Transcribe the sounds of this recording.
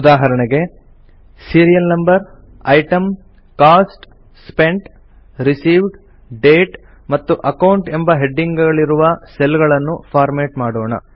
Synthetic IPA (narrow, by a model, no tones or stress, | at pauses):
ud̪aːɦɐɾɐɳɐɡe̞ | siːɾijɐlnɐmbɐɾ | ɐjʈɐm | kaːsʈ | spe̞ɳʈ | ɾisiːʋɖ | ɖeːʈ | mɐt̪ːuʔɐkɐwuɳʈe̞mbɐɦeɖːiŋɡɐɭiɾuʋɐselɡɐɭɐnːupʰaːɾmeːʈmaːɽoːɳɐ̰